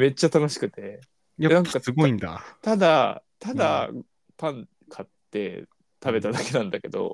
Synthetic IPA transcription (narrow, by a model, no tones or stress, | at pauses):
me̞t͡ɕːat̪ano̞ɕi̥kɯ̟t̪e̞ | janãŋkkaɨɡoĩnd̪a̰t̪ad̪at̪ad̪a | p̪ãn | kʰat̪ːe̞̰ | t̪abe̞t̪ad̪ake̞nãnd̪ake̞d̪o̞̰